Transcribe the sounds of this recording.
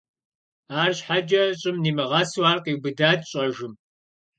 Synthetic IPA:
aːrɕħad͡ʒɐɕʼɪmniːmɨʁɐswaːrqʼiːbɨdaːdɕʼɐʒɪm

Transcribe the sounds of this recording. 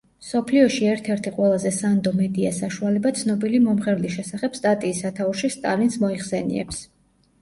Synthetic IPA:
msɔpʰliɔʃiɛɾt̪ʰɛɾt̪ʰiqʼwɛlˠazɛsand̪ɔmɛd̪ia̰saʃualɛbat̪sʰnɔbilimɔmχɛɾliʃɛsaχɛb̥st̪ʼat̪ʼiːsat̪ʰauʃist̪ʼa̰linsmɔiχsɛnḭɛ̰ps

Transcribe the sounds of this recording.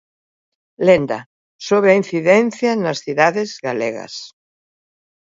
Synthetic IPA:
lend̪a | soβ̞ɾeain̟θiðen̟θjanasθiðaðezɣaleɣa̰s

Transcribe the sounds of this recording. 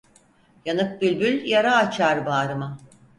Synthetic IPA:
janɯk̚bylʲbylʲjaɾaːt͡ʃʰaɾbaːɾɯma

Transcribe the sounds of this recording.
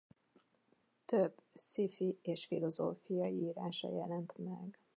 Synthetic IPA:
t̪øbːsifieːʃfilo̞zo̰ːfijɒjiiːɾaːʃɒ̰jɛlɛnt̪mɛ̰ɡ

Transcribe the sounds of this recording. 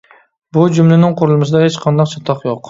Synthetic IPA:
bʊd͡ʒʊmlɪnɪŋqʰʊɾʊlˠɪmɪs̬ɪd̪ahet͡ʃqʰɑnd̪ɑqt͡ʃʰɑt̪ʰɑqjoq

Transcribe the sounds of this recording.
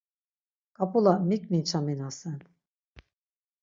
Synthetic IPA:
kʼapulˠamikmint͡ʃʰaminasɯn

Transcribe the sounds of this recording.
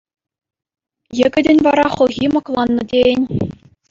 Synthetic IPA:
jɘ̆ɡʲɘ̆dʲɘ̆nʲvɑɾɑχɤ̆lˠɣʲimɑklˠɑnːɤ̆dʲeɘnʲ

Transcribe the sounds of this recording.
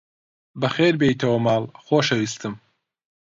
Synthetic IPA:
bɐxeːɾbejit̪ʰɐwɐmaːlxoːʃɐwist̪ɨm

